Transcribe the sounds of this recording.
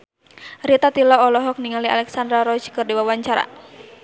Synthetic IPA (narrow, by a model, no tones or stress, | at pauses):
ɾit̪at̪ilɔːlɔɦɔk̚niŋalia̰lɛksand̪ɾaɾɔd͡ʒkərdiwawaɲt͡ʃaɾa̰